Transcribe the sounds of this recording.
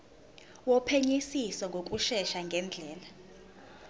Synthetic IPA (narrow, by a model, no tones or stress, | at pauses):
wɔpʰeɲisisɔŋɡʱok̬ʼuʃɛʃaŋɡʱɛnd͡ɮʱɛːla